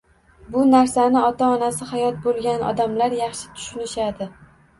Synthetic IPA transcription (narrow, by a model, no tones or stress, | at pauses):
bʊnaɾsanɪɒt̪aɒnasɪhajɒt̪̚bolˠɡʲanɒ̰d̪amlaɾjɑχʃɪ̥t̪ʰʊ̥ʃʊnɪʃad̪ɪ